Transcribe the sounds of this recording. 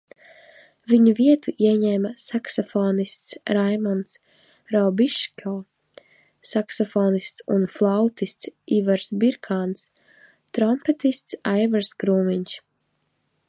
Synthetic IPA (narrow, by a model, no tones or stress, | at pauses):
viɲuviɛt̪uʔiɛɲɛmasaksɔfɔːnist̪sɾajmɔns | ɾɔbiʃkʲɔ | saksɔfɔːnist̪sunflˠawt̪ist̪sivaɾsbiɾkʰaːns | t̪ɾɔmpɛt̪ist̪sajvaɾsɡɾuːmiɲʃ